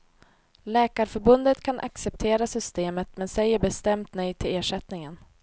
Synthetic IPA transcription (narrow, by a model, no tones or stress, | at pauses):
lɛːkaɾfœɾbɵnd̪ət̪kʰanʔa̰ksɛp̚t̪ʰeːɾasʏst̪eːmət̪mɛnsɛjːəɾbɛst̪ɛmt̪nœj̪̚t̪ʰɪleːʂɛt̪nɪŋən